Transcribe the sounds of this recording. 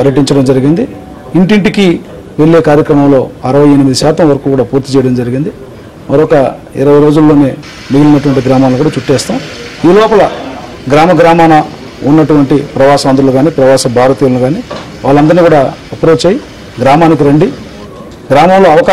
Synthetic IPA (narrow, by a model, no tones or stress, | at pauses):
pɐɾjɐʈiɲt͡ʃɐɽɐmd͡ʒɐɾiɡind̪i | iɳʈiɳʈiki | ʋe̞ɭːe̞ːkaːɾjɐkɾɐmɐmlo̞ːɐɾɐʋɐjenimid̪iʃaːt̪ɐmʋɐɾɐkuːkuːɽaːpuːɾt̪it͡ʃɛjɐɽɐmd͡ʒɐɾiɡind̪i | mɐɾɔkɐḭɾɐʋɐjɾo̞ːd͡ʒulːo̞ːne̞ː | miɡilunːɐʈ̬uʋɐɳʈiɡɾaːmaːnlukuːɽaːt͡ʃuʈːɛːst̪aːmiːlɔːpɐlɐ | ɡɾaːmɐɡɾaːmaːnɐ | unːɐʈuʋɐɳʈipɾɐʋaːʃɐʋɐnd̪uluɡaːniːpɾɐʋaːʃɐbʱaːɾɐt̪iːlɐnuɡaːniː | ʋaːɭːɐnd̪ɐɾniːkuːɽaːɐpɾot͡ʃɐji | ɡɾaːmaːnik̬iɾɐɳɖi | ɡɾaːmɐmlo̞ːɐʋɐkaː